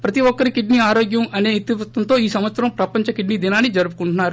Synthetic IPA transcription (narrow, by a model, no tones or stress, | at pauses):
pɾɐt̪iwɔkːɐɾikiɖniaːɾoːɡjɐmɐne̞ːt̪ːiʋɐt̪ʋɐnt̪o̞ːiːsɐmʋɐt̪sɐɾɐmpɾɐpɐɲt͡ʃɐkiɖniːd̪inaːnːid͡ʒɐɾupukuɳʈunːaːɾu